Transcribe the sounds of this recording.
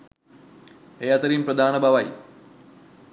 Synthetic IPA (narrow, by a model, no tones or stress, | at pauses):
ejɐt̪ɐɾiːmpɾɐd̪ʱaːnɐbʱɐʋɐj